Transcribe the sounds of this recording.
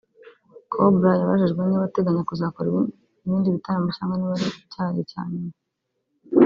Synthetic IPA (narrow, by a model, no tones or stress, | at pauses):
kʰobɾajaβa̰ʒiʒɡwe̞niβate̞ɡaɲakuzakoɾi | iβiːndiβitaɾamaʃaːŋɡaniβaɾicaːjḛca̰ːne